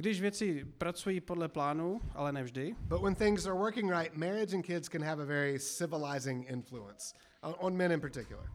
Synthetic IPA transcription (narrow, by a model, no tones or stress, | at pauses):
ɡdɪʒvjɛt͡sɪpɾat͡sujiːpodlɛplaːnuʔa̰lɛnɛvʒdɪb̥ʌt̚wə̃nθɪ̃ŋzə˞wɜ˞kɪ̃ŋɹaɪt̚mɛɹɪd͡ʒɨ̃nkʰɪdz̥kɨ̃nɨvəvɛɹisɪvəlaɪzɪ̃ŋɪ̃ɱfluə̰̃ns | ʔə̃nmɛ̃ɾ̃ɨ̃npə˞tʰɪkjʊl̩ˠə̰˞